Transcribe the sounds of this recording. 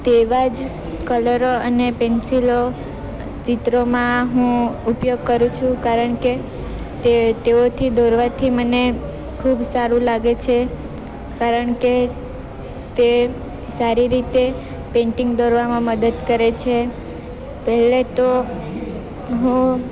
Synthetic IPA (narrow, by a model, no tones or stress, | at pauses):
t̪eʋad͡ʒ | kələɾoənepɛnsilo | t͡ʃit̪ɾomãɦũupjoɡ̚kəɾũt͡ʃʰũkaɾəɳke | t̪et̪eot̪ʰid̪oɾʋat̪ʰiməne | kʰubsaɾũlaɡet͡ʃʰe | kaɾəɳke | t̪e | saɾiɾit̪e | pẽɳʈĩŋɡd̪oɾʋamãməd̪əd̪kəɾet͡ʃʰe | pəɦɛlet̪o | ɦũ